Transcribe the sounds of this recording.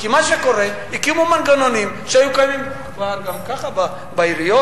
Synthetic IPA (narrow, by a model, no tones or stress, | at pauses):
kimaʃekoɾɛ | ikiumumanɡanonim | ʃajukanim | baaɾɡamkaχaba | baiɾijo